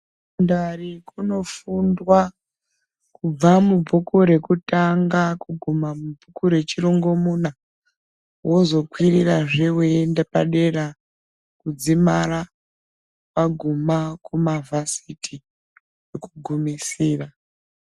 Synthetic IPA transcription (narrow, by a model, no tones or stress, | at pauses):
undarikuno̞fundwa | kub͡vamub͡vʱukuɾe̞kutaŋɡakuɡʱumamubʱukuɾe̞t͡ʃiroŋɡo̞muna | wo̞zo̞kwiriraʐewendepa̰ɗe̞ɾa | kud͡zimaɾa | paɡʱumakumavʱasitʰi | jekuɡʱumisiːra